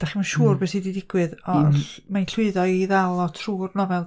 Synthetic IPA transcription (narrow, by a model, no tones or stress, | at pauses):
d̥aχimanʃuːrbeːsididɪɡwɨðɔmainɬwɨɨðɔiðalˠɔtʰruːrnɔvɛlˠ